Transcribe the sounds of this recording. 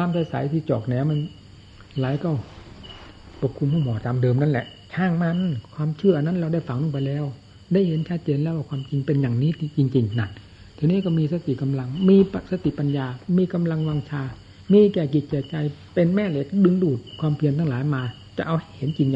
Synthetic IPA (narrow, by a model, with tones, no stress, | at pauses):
aː˧˥˨msa˧˩sa̰˨˦jt̪ʰiː˧˩t͡ɕɔː˨˩k̚nɛː˧˥˩wma˧˥˨n | laː˨˦jkɔ˧˩w | pɔ˨˧˩kʰːu˧mhuː˧˥˩mɔː˨˦t̪a˨˦mdɤː˧mna˧˥˩nlɛ̰˧˦ʔ | t͡ɕʰaː˧˩˨ŋma˧n˥˨kʰwaː˧˥˨mt͡ɕʰɯ˧˥˩ɐʔa˧˨na˧˥˨nlɛː˧da˧˥˩jfa˧˦ŋlɔ˧˥˨pa˧jlɛː˧˥˨w | da˧˥˩jhe˨˦nt͡ɕʰa˦˥t̪̚t͡ɕeː˧˨nlɛː˧˥˩waː˧˩kʰwaː˧mt͡ɕi˧ŋpe˧njaː˨˩ŋniː˦˥˨t̪ʰiː˧t͡ɕi˧ŋt͡ɕi˧ŋna˧˩t̚ | t̪ʰiː˧niː˥˨kɔ˧˩miː˧sa˧t̪i˨ka˧mla˧ŋmiː˧˥˧sa˧t̪i˨pa˧njaː˧miː˧ka˧mla˧ŋwaː˧ŋt͡ɕʰaː˧˩ | miː˧˥kɛː˧˩k̬i˨˩t̪̚kɛː˧˩t͡ɕa˧j | pe˧nmɛː˧˩˨lɛ˧˩kdɯ˧ŋduː˨˩t̪̚kʰwaː˧˥mpʰi˧ənt̪ʰaː˧˩laː˨˦jmaː˧ | t͡ɕa˧ʔa˧wha˧˨˩jhe˨˦nt͡ɕi˧ŋja˨